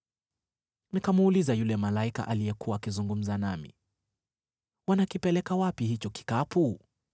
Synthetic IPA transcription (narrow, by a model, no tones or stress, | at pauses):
nikamuːlizajulɛmalaika̰ʔalijɛkuwaːkizuŋɡum̩zanamḭ | wanakipɛlɛkawapiɦit͡ʃɔki̥kapu